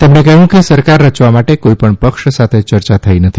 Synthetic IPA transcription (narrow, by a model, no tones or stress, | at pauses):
t̪emnekəɦũkesəɾkaɾːət͡ʃʋamaʈekoipəɳpəkʃsat̪ʰet͡ʃəɾt͡ʃat̪ʰəinət̪ʰi